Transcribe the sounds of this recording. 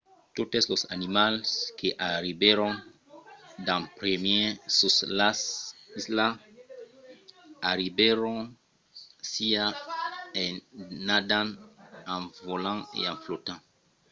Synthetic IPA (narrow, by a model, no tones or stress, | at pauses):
tot̪eslosa̰nimalskʰeʔaɾibeɾɔ̃n | dãpɾemjesuslassla | aɾibɛɾõn | sia | enadãnãnvolãḛãnflot̪ãŋ